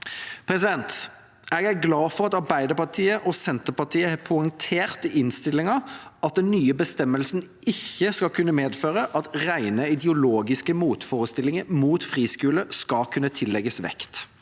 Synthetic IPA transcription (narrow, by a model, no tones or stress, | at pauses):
pʰʁɛsɪd̪ɛnt̪ | ɛɡæɾɡlɑːfɔʁɑt̪ɑɾbæɪd̪əpɑt̪ʰiːəʔɔsɛnt̪əpɑt̪ʰiːəhɛpʰʊəŋt̪ʰeːʁt̪ɪɪnst̪ɪlɪŋɑɑt̪̚d̪ɛnnyːəbəst̪ɛmːəlsn | ɪçːəskɑkʰʉnːəmeːd̪føːʁəʔɑt̪ʁæɪnəɪd̪ɛʊloːɡɪskəmuːt̪fɔːʁəst̪ɪlɪŋəmuːt̪fʁiːskʉːləskɑlkʰʉnːət̪ʰɪlːɛɡəsʋɛ̰kt̪